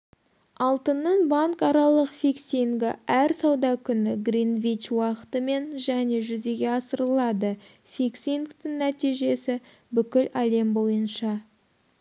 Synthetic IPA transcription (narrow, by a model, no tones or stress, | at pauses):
ɑlˠt̪ənːəɴbɑŋkɑɾɑlˠəqfʲiksiŋɡɪæɾsɑwd̪ɑkʲʰʏnɪɡrinvit͡ʃwɑqə̥t̪əme̞nʒæne̞ʒʏze̞ɡʲe̞ɑsəɾəlˠɑd̪ə | fiksʲiŋkt̪ɪŋnæt̪ijʒe̞sɪ | bʏkʲɪlæle̞mbo̞jənʃɑ